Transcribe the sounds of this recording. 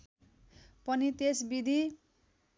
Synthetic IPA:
pʌnit̪esbid̪ʱi

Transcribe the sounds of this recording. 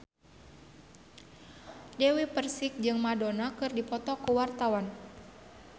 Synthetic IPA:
dɛwipərsik̚d͡ʒɨŋmadɔnakɨrdipɔt̪ɔkuwart̪awan

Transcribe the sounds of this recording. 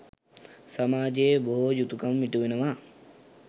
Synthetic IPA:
sɐmaːd͡ʒeboɦojut̪ukɐmːiʈuʋenɐʋa

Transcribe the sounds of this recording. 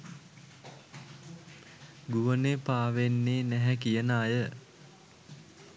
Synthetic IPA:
ɡuʋənepaːʋenːeːnæɦɛkijənəːjə

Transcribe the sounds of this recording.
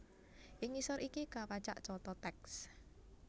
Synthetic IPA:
ʔɪŋisɔɾʔikikapat͡ʃa̰ʔt͡ʃɔt̪ɔt̪ɛks

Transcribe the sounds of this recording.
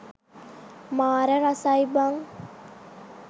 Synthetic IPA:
maːɾeɾasajbaŋ

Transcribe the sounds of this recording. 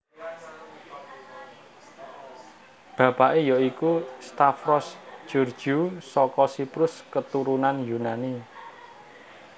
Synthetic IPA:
b̥ä̤paʔejɔikust̪afɾɔsd͡ʒ̥ṳr̥d͡ʒ̥usɔkɔsipɾʊskət̪uɾunanjunani

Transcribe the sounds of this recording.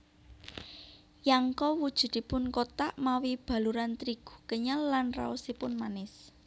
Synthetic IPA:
jaŋkɔwud̥ʒ̥ṳd̪̥i̤pʊnkot̪aʔmawib̥a̤luɾant̪ɾiɡ̥u̥̤kəɲalːanra̰ɔsipʊnmanɪs

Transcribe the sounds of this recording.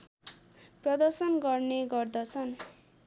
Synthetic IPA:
prʌd̪ʌrsʌnɡʌrneɡʌrd̪ʌt͡sʰʌn

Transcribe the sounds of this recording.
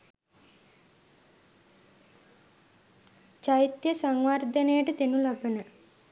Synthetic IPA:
t͡ʃajit̪jəsaŋʋard̪ənejəʈət̪enulabənə

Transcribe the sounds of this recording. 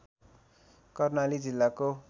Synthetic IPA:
kʌrnalid͡zilːako

